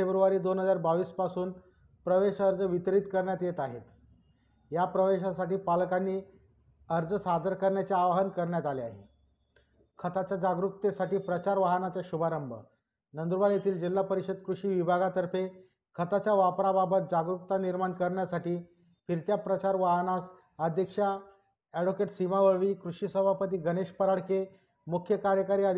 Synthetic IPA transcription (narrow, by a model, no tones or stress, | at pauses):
febɾuʋaɾiːd̪onɦəd͡zaɾbaʋiːspasuːn | pɾəʋeɕəɾd͡zəʋit̪ɾiːt̪kəɾɳjat̪jet̪aɦet̪ | japɾəʋeɕ̬asaʈiːpalkanːiː | əɾd͡zəsad̪əɾkəɾɳjat͡ɕaaʋɦənkəɾɳjat̪alea̰ɦḛ | kʰət̪at͡ɕad͡ʑaɡɾukt̪esaʈiːpɾət͡ɕaɾʋaɦənat͡ɕaɕubʱaɾəmbʱə̰ | nənd̪ɾuʋaljet̪iːld͡ʑilːapəɾiɕəd̪̚kɾuʂiːʋibʱaɡat̪əɾfe | kʰət̪at͡ɕjaʋapɾababət̪̚d͡ʑaɡɾukt̪aniɾmankəɾɳjasaʈiː | fiɾt̪japɾət͡ɕaɾʋaɦnas | əd̪ʱjəkʂa | ɛɽokeʈsimaʋəɭʋiːkɾuʂisəbʱapət̪iːɡəneɕpəɾaɽke | mukʰjəkaɾjəkaɾiːəd̪ʱ